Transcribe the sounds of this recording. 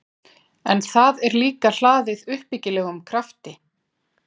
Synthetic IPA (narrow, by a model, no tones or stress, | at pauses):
ɛnθaðɛɾliːkal̥aːðɪðʏhpicɪlɛːɣʏmkʰɾaft̪ɪ